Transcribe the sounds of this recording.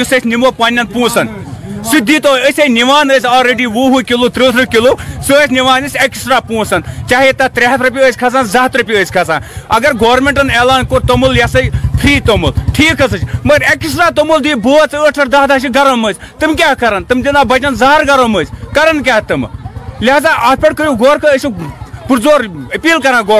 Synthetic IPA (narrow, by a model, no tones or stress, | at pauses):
usɐt͡ʃʲnimopɐnʲːɐnpũːsɐnsud̪ʱːiːt̪oəsʲɐjniʋaːnəsʲaːlɾeɖiːʋuːɦukʲiloːt̪ɾɨːt̪ʰɾɨkʲiloːsɨəsʲniʋaːnɐsʲeksʈɾaːpũːsɐnt͡ʃaːɦit̪ɐt̪ɾeɦɐt̪ʰɾup̬ʲiəːsʲkʰɐsaːnzɐɦt̪ɾɐpʲiəːsʲkʰɐsaːnɐɡɐɾɡoːɾmeɳʈɨnelaːnkoɾt̪omuljɐsɐpʰɾiːt̪omulʈʰiːkʰɐsɐt͡ʃmɐɡɐɾeksʈɾaːt̪omuld̪uibəːt͡sɨəʈʰɐʈd̪aːɦd̪aːʃ̬iɡɐɾɐmət͡sʲ | t̪ɨmk̬ʲaːɦkɐɾɐnt̪ɨmd̪inaːbɐt͡ʃɐnzaːɾɡɐɾɐməːt͡sʲkɐɾɐnkʲaːɦt̪ɨmlʲaːzaːʔɐpʰʲeɽkəɾjũɡoːɾkʰɐəsipɨɾzoːɾəpiːlkɐɾãːɡoː